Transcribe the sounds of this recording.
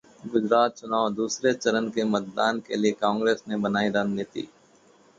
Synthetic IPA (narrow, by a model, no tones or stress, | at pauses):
ɡʊd͡ʒɾaːt̪̚t͡ʃʊnaːʊd̪uːsɾet͡ʃɐɾənkemɐt̪̚d̪aːnkeliekãːŋɡɾeːsnebɐnaːiɾaːd͡ʒneːt̪ḭ